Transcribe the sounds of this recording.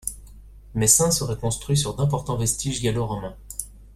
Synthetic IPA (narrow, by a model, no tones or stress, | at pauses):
mɛsɛ̃səʁɛkɔ̃st̪χɥis̬yʁd̪ɛ̃pɔʁt̪ɑ̃vɛst̪iʒɡʲaloʁɔmɛ̃